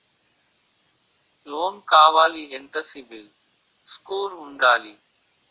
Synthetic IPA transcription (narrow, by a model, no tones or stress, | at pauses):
loːmkaːʋaːliːɪnt̪əsiːbɪl | skuːlʊɳɖaːliː